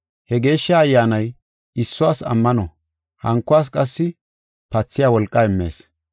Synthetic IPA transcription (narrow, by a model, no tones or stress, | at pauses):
hɛɡe̞ːʃːɐːjːaːnɐj | ɪsːʊwaːsɐ̰mːɐnɔ | hɐŋkːʊwaːs̬kʼɐsːɪ | pɐt͡sːɪjaːwɔlkʼːɐɪmːe̞̰ːs